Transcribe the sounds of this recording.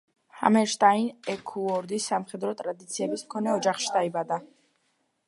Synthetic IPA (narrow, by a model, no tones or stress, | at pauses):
ha̰mɛɾʃt̪ʼainɛkʰuɔɾd̪isːamχɛd̪ɾɔt̪ʼɾad̪it̪sʰiɛbismkʰɔnɛɔd͡ʒaχʃi̥d̪aibad̪a